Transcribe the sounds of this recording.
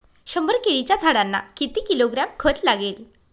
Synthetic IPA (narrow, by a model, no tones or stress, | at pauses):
ɕəmbəɾkeɭit͡ɕjad͡zʱaɽanːa̰kit̪iːkiloɡɾamkʰət͡slaɡel